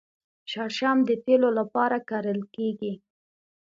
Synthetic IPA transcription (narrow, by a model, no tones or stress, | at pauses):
ʃɑɾʃɑmd̪ət̪elolapɑɾakaɾəlkeɡi